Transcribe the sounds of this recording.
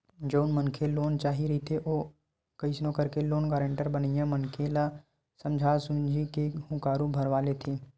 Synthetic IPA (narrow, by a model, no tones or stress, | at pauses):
d͡ʒoːʊnmənkʰeloːnt͡ʃaːɦiɾəɦit̪ʰeʔoː | kəisnõkəɾkeloːnkaːɾə̃ɳʈəɾbənijãmənkʰela | sə̃md͡ʒʱaːsũːnd͡ʒʱikehʊ̃kaːɾũbʱəɾʋaːlet̪ʰiː